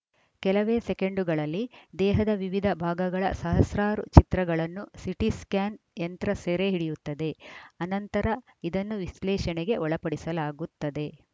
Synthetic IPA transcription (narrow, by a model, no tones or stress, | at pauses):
kɛlɐʋeːsekeɳɖuɡɐɭɐlːid̪ɛːɦɐd̪ɐʋiʋid̪ʱɐbʱaːɡɐɡɐɭɐ̰sɐɦɐsɾaːɾṵt͡ʃit̪ɾɐɡɐɭɐnːusiʈiskaːn | ent̪ɾɐseːɾeɦiɽijut̪ːɐd̪e̞ɐnɐnt̪ɐɾɐ | id̪ɐnːuʋislɛːʃɐneɡe̞ʔɔɭɐpɐɽisɐlaːɡut̪ːɐd̪e̞